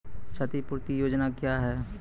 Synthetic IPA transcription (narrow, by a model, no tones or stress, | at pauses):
t͡ʃʰət̪ipuɾt̪ijoːd͡ʒnakjaɦɛː